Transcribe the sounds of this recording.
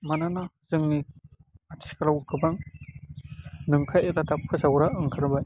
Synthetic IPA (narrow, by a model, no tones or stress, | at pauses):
mananazɯŋniatʰikalawkɯbaŋ | nɯŋkʰajetatapʰɯsawɾaʔɯŋkʰɯɾbaj